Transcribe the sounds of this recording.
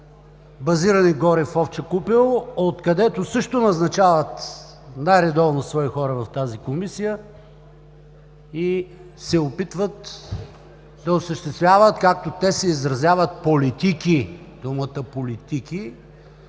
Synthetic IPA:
bɐziɾɐniɡɔɾɛfɔft͡ʃɛkupilˠot̪kɐd̪ɛt̪osɤʃt̪onɐznɐt͡ʃavət̪ | najɾɛd̪ɔvnosvɔixɔɾɐvɐft̪azikomisijə | i | sɛopit̪vət̪ | d̪ɐosəʃt̪ɛst̪vʲjavət̪kak̚t̪ot̪ɛsɛizɾɐzʲjavət̪̚polit̪iki | d̪̥umət̪əpolit̪ikʲi

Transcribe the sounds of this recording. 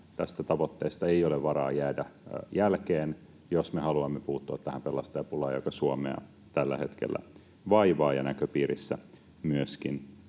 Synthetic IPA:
t̪æst̪æt̪ɑʋot̪ːeːst̪ɑeijoleʋʋɑɾɑ̰ːjæːdæjælkeːn | josmehɑluɑmːepuːt̪ːuɑt̪t̪ːæhæmpelːˑɑst̪ɑjɑpulɑːjo̰kɑsuomḛɑ̰ | t̪ælːæ̰he̞t̪k̟ḛlːæ̰ | ʋɑiʋɑːjɑnækøpiːɾisːæ | myøskin

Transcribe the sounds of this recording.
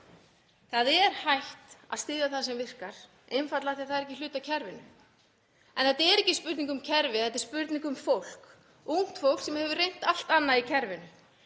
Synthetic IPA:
θaðɛɾ̥hajht̪a̰ðst̪ɪːðjaθaðsɛmvɪr̥kaɾ̥ | ʔɪnfat̪laθiḁθaðɾɛc̬ːɪlʏːt̪acʰɛɾvɪnʏ | ɛnθɛt̪aɛɾɛcɪspʏɾt̪niŋkʏmcʰɛɾvɪθɛt̪ɪɾ̥spʏɾt̪niŋkʏmfowl̥k | uŋ̥t̪fow̥ksɛmhɛvʏrejn̥t̪al̥t̪anːaicʰɛɾvɪnʏ

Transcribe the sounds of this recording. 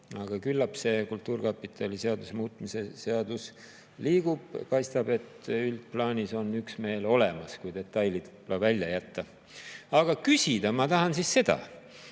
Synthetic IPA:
ɑɡ̥ɑkylːɑpse̞kult̪ːˑuːɾrkɑpːˑit̪ːˑɑlise̞ɑd̪usemuːt̪mise̞se̞ɑd̪̥us | liːɡ̥ub̥kɑjst̪ɑb̥e̞t̪ylt̪̚plɑːnʲiso̞nyksme̞ːlo̞le̞mɑskujd̪e̞t̪ːˑɑjlit̪plɑvælʲːjɑjæt̪ːɑ | ɑɡ̥ɑkysʲid̪̥ɑmɑt̪ɑɦɑnsisse̞d̪̥ɑ̰

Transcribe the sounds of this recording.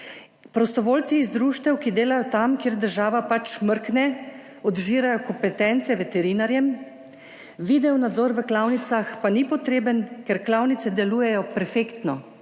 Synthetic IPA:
pɾɔst̪ɔʋoːlt̪siːzd̪ɾuːʃt̪ɛwkid̪eːlajɔt̪amkeːɾd̪əɾʒaːʋapat͡ʃməɾknɛ | ɔd̪ʒiːɾajɔkɔmpɛt̪ɛnt̪sɛʋɛt̪ɛɾinaɾjɛm | ʋid̪ɛwnad̪zɔːɾʋəklawnit̪saxpanipɔt̪ɾeːbənkɛɾklawnit̪sɛd̪ɛluːjɛjɔpɛɾfeːkt̪nɔ

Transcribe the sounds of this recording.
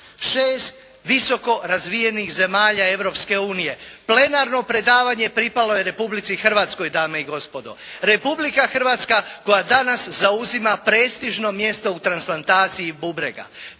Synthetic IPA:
ʃeːst̪ | ʋiso̞ko̞ɾazʋije̞nixze̞maːʎae̞ʋɾo̞pske̞uːnije̞ple̞naɾno̞pɾe̞d̪aːʋaɲe̞pɾipalo̞jeɾe̞publit̪sixr̩ʋaːt̪sko̞jd̪aːmeiɡo̞spo̞d̪o̞̰ɾe̞publikaxr̩ʋaːt̪skako̞jad̪anaszauzimapɾe̞ːst̪iʒno̞mje̞st̪o̞ut̪ɾansplˠant̪aːt̪sijibubɾḛɡa̰

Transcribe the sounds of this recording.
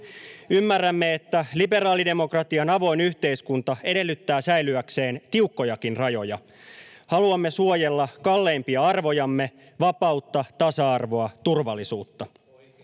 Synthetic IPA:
ymːærːæmːe̞et̪ːælibe̞ɾɑːlide̞mo̞krɑt̪iɑnɑʋo̞inyçt̪e̞iskunt̪ɑe̞de̞lːyt̪ːæːsæjlyækse̞ːnt̪iukːo̞jɑkinrɑjo̞jɑ̰ | hɑluɑmːe̞suoje̞lːɑkɑlːe̞ːmpiɑɑrʋo̞jɑmːe̞ | ʋɑpɑut̪ːɑt̪ɑsɑɑrʋo̞ɑt̪urʋɑlːisuːt̪ːɑ

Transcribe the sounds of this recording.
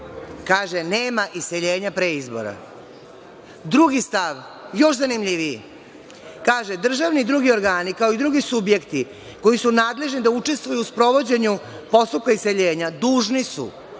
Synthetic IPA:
kaːʒene̞ːmaʔise̞ʎe̞ːɲapɾeizbo̞̰ɾa̰ | d̪ɾuɡist̪aʋ | jo̞ʃzanimʎiʋii | kaːʒed̪r̩ʒaʋnid̪ɾuɡio̞ɾɡaːnikao̞id̪ɾuɡisubje̞kt̪i | ko̞jisunaːd̪le̞ʒnid̪aut͡ʂe̞st̪ʋujuuspɾo̞ʋo̞d͡ʑe̞ɲu | po̞st̪up̚kaise̞ʎe̞ːɲad̪uːʒnisṵ

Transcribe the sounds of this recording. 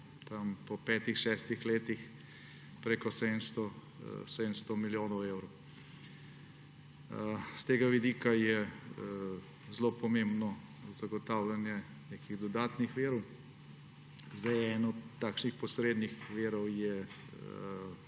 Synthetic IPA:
t̪ampɔpɛːt̪ixʃɛːst̪ixleːt̪ix | pɾekɔsɛnst̪ɔ | sɛd̪əmst̪ɔmiljoːnɔwewɾɔ | st̪eːɡaʋid̪iːkajɛ | zlopɔmembnɔ | zaɡɔt̪awlanjɛ | nekiɣd̪ɔd̪aːt̪nixʋeːɾɔw | zd̪ajɛːnɔɔt̪ːaːkʃnixpɔsɾeːd̪nixʋeːɾɔwjɛ

